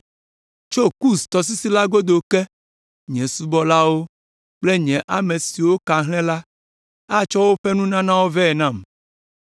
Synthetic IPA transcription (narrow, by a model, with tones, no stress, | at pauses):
t͡ʃo˦ku˦st̪ɔ˨s̬i˦si˦la˦ɡo˦d̪o˨ke˦ | ɲɛ̃˨su˦bɔ˦la˦wo˦ | k͡ple˦ɲɛ̃˨ʔa˦mẽ˨si˨wo˦ka˨ɦlɛ̃˦la˦ | a˦t͡ʃɔ˦wo˦ɸe˦nũ˦nã˦nã˦wo˦vɛ˦˨nã˦˨m